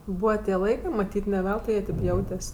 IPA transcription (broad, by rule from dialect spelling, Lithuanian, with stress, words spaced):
ˈbuːʋɐ tʲiɛ ˈlˠɐɪkɜ mɐˈtʲiːtʲ nʲɛ ˈʋʲɛlˠtʊɪ ˈjiɛ ˈtʲeːp ˈjɛʊtʲɛsʲ